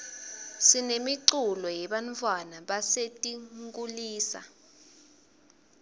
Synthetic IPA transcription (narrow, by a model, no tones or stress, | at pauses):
sinemiǀulɔjɛɓant͡fʰʼwanaɓasetʼiŋkʼuliːsa̰